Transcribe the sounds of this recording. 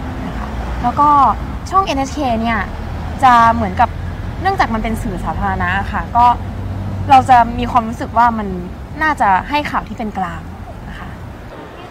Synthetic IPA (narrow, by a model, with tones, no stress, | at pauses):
na˧˩kʰa˦˥˩lɛː˦˥wkɔː˥˩ | t͡ɕʰɔː˥˩˨ŋʔe˧nʔe˦˥t͡ɕkʰeː˧ni˥˩ɐ | t͡ɕa˨˩mɯ˩˦ənka˨˩p̚ | nɯ˥˩əŋt͡ɕaː˨˩k̚ma˧npe˧nsɯː˨˩saː˩˦t̪ʰaː˧ɾa˧na˦˥ʔa˨˩xʰa˥˩kɔː˥˩ | ɾa˧wt͡ɕa˨˩miː˧kʰwaː˧mɾuː˦˥sɯ˨˩k̚waː˥˩ma˧nː | aː˥˩t͡ɕa˨˩ɦa˥˩jkʰaː˨˩wt̪ʰiː˥˩pe˧nklaː˧ŋna˧˥kʰa˦˥